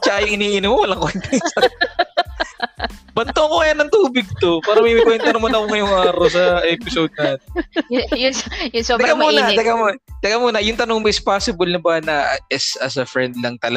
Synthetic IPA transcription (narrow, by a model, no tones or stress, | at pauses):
t͡ʃaʔajʊŋʔɪniːʔɪnɪmːowɐlaŋkoʔɪnt̪ɛnsɐ | bɐnt̪oɐkoŋɐjanːɐŋt̪uːbɪɡ̚t̪o̞paːɾɐmɐmɐjkwɛnt̪ɐnomɐnɐkoŋɐjoŋaːɾosɐʔɛːpɪsod̪̚nat̪ɪjʊjʊsod̪ɾkamuːnɐd̪ɐkamt̪ɐɡɐmuːnɐjʊŋt̪ɐnoŋboɪspaːsɪbɐlnɐbɐnɐʔɛsɐsɐfɾɛnd̪lɐŋt̪ɐlɐ